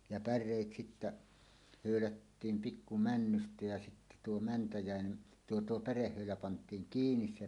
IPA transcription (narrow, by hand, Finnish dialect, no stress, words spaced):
jɑ pærˑeˑit sitːæ høˑylætːiːm pikːu mænːystæ jæ sitːæ tuo mæntæjæˑene tuo tuo pærehːøˑylæ pɑntˑiːŋ kiːnis se